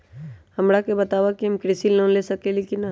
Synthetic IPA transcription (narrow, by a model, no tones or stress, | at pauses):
hɐmɾakebɐt̪aːʋakiɦəmkɾɪsilõːnlesɐkelekinːa